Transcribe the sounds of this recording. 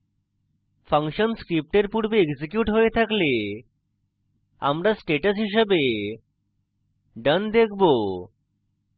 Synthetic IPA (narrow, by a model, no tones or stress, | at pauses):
pʰəŋkʃənskɾip̚ʈeɾpuɾbeeɡd͡ʑikjuʈɦojet̪ʰakle | a̰mɾasʈeʈəsɦiʃ̬əbe | ɖənd̪ekʰbo